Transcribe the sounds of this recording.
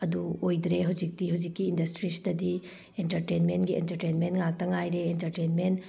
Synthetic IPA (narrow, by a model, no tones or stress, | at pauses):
ɐduojd̪ɾeɦawd͡ʒik̚tihawd͡ʒikːiːndɐstɾisi̥dɐdi | entɐɾtenmentɡiḛntɐɾtenmentŋak̚tɐŋajɾeːntɐɾtenment